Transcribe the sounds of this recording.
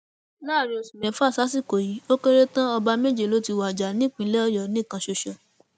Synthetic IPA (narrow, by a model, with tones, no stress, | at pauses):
nãː˦˨ɾĩ˧o˧su˨mɛ̃˨˦fa˦˨sa˨˦si˦˨ko˨ji˨˦o˦ke˦ɾe˦tã˦ɔ˧ba˧me˦d͡ʒe˦˨lo˨˦ti˧wa˨d͡ʒa˨nĩ˦˨k͡pĩ˧˦lɛ˦ɔ˦jɔ˨nĩ˦˨kã˧ʃo˧ʃɔ˨